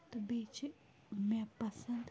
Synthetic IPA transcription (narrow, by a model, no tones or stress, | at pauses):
t̪ɐbeːt͡ʃ | mɛ̃pɐsənd̪